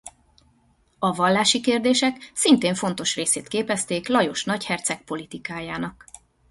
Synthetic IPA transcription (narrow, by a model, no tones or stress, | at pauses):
ɒvɒlːaːʃikeːrd̪eːʃɛksint̪eːɱfo̞nt̪o̞ʃreːseːt̪keːpɛst̪eːklɒjo̞ʃnɒchɛrt̪sɛk̚po̞lit̪ikaːjaːnɒk